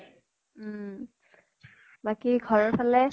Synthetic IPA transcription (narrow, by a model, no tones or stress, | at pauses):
bakiɡʱɔɹɔɹpʰalɛ